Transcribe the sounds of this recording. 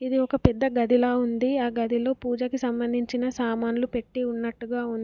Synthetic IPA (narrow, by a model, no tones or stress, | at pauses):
id̪iɔkɐpɛd̪ːɐɡɐd̪ʱilaːund̪iaːɡɐd̪ʱilo̞ːpuːd͡ʒɐkisɐmbɐnd̪ʱiɲt͡ʃinɐsaːmaːnulupe̞ʈːiunːɐʈːuɡaːund̪i